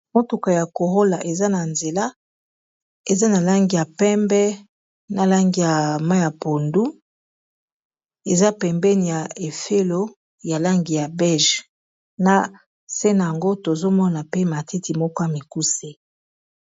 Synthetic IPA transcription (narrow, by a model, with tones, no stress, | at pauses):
mo˦tu˨ka˨ja˨ko˨ʁo˦la˨ʔe˨za˦na˨nze˨la˦ | e˨za˦na˨la˦ŋɡi˨ja˨pɛ˦mbɛ˦ | na˨la˦ŋɡi˨ja˨ma˦ja˨po˨ndu˦ | e˨za˦pɛ˨mbɛ˦ni˨ja˨e˨fe˦lo˦ | ja˨la˦ŋɡi˨ja˨bɛ˦ʒ | na˨ | se˦na˨ja˨ŋɡo˦to˨zo˦mɔ˦na˨pe˦ma˨tʰe˦ti˨mɔ˦kɔ˦ja˨mi˨ku˦se˦